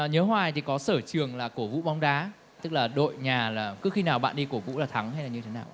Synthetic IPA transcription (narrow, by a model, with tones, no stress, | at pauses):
ɲə˨˦hwaː˨˩jt̪ʰi˨˩kɔ˨˦səː˧˩t͡ɕɨ˨˩əŋlaː˨˩ku˧˩vṵ˧˥ɓa˨˧˦wŋ͡mɗaː˨˦ | t̪ɨ˦˥k̚laː˨˩ɗo̰˧˨jɲaː˨˩laː˨˩kɨ˨˦xi˧naː˨˩wɓa̰ː˧˨nɗi˧ku˧˩vṵ˧˥laː˨˩t̪ʰa˨˦ŋha˧jlaː˨˩ɲɨ˧tʰe˨˦naː˨˩ʔ